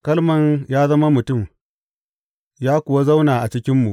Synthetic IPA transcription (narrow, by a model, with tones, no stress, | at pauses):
kɐ˦lmɐ˨ɲjaː˦zɐ˦ma˦mʊ˨tʊ˦˨m | jaː˦kʷʊ˨wa˦za˦wnaː˨ʔa˨t͡ʃɪ˦kʲɪ˦mːu˨ʔ